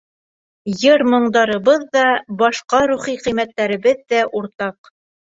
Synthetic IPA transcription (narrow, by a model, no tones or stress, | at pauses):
jɤɾmɤ̆ɴd̪ɑɾɤ̆βɤðːɑbɑʃqɑɾuχiqɤ̆jmæt̪ːæɾɘ̆βɘðːæʔuɾt̪ɑq